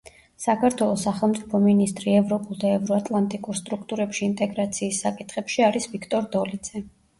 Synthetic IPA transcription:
sakʰaɾt̪ʰwɛlˠɔsːaχɛlˠmt̪sʼipʰɔminist̪ʼɾiɛvɾɔpʼulˠd̪aɛvɾɔat̪ʼlˠant̪ʼikʼuɾst̪ʼɾukʰt̪ʼuɾɛpʃiːnt̪ʼɛɡɾat̪sʰiːsːakʼit̪ʰχɛpʃiaɾisvikʰt̪ʼɔɾd̪ɔlid̪z̥ɛ

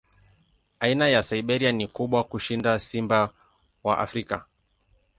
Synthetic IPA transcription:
ainajasaiɓɛɾianikuɓwakuʃindasimba | wa̰ʔa̰fɾika̰

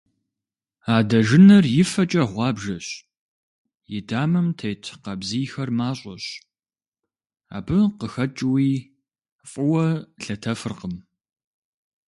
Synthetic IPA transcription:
aːdɐʒɪnɐrjɪfɐt͡ʃʼɐʁʷɑːbʒɐɕ | jɪdaːmɨmtʰejtʰqɐbziːxɐrmaːɕʼɐ̰ɕ | a̰ːbɨqəxɐt͡ʃʼwiː | fʼʊwɐɬɐtʰɐfɨrqəm

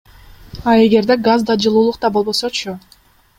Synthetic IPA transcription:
ɑe̞ɡe̞ɾd̪e̞ɡazd̪ɑd͡ʒɯlˠuːlˠuq̚t̪ɑbolˠbo̞so̞t͡ʃʰʊ

